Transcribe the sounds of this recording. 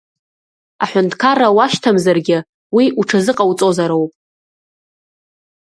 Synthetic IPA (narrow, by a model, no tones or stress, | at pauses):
aħʷᶣʊntʰkʰarawaʃtʰamzarɡʲɪ | wiuʈ͡ʂʰazɨqʼawt͡sʼo̞zaɾowpʼ